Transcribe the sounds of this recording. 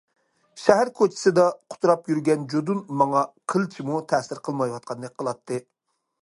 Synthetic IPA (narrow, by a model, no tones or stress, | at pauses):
ʃɛɦæɾkʰot͡ʃʰɪ̥sɨd̪ɑqʰʊ̥t̪ʰuɾɑpjyɾɡʲɛnd͡ʒod̪unmɑŋɑqʰəlˠt͡ʃʰimut̪ʰɛsɪɾqʰəlˠmɑjwɑt̪̚qʰɑnːɨqʰəlˠɑt̪ʰːɨ